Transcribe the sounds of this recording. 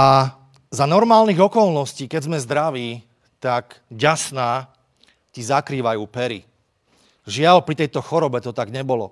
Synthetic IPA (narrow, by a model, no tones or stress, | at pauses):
a | zanɔɾmaːlniɣɔkɔlnɔsciːkɛɟzmɛzd̪ɾaʋiː | t̪akɟasnaː | cizakɾiːʋajuːpɛɾḭ | ʒɪalpɾit̪ɛjt̪ɔxɔɾɔbɛt̪ɔt̪aɡɲɛbɔlɔ̰